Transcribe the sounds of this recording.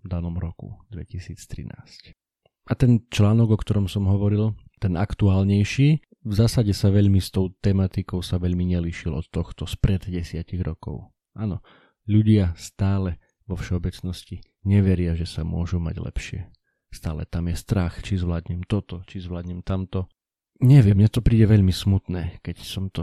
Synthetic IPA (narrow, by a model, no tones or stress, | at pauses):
d̪anɔmɾɔkṵd̪ʋɛcisiːt͡st̪ɾḭna̰ːsc | at̪ɛnt͡ʃlaːnɔɡɔkt̪ɔɾɔmsɔmɦɔʋɔɾilt̪ɛnʔakt̪uaːlɲɛjʃiː | vzaːsaɟɛsaʋɛʎmist̪ɔʊt̪ɛmat̪ikɔʊsaʋɛʎmiɲɛliʃilɔ̰t̪ːɔxt̪ɔspɾʔɛd̪ɟɛsɪaciɣɾɔkɔ̰ʊ | ʔaːnɔ | ʎuɟɪast̪aːlɛ | ʋɔfʃɛɔbɛt͡snɔsci | ɲɛʋɛɾɪaʒɛsamʊɔʒuma̰ɟlɛ̰pʃɪɛ̰ | st̪a̰ːlɛt̪amjɛst̪ɾaxt͡ʃizʋlaːd̪ɲɛmt̪ɔt̪ɔt͡ʃizʋlaːd̪ɲɛmt̪amt̪ɔ | ɲɛʋɪɛmːɲɛt̪ɔpɾiːɟɛʋɛʎmismut̪nɛːkɛcsɔmt̪ɔ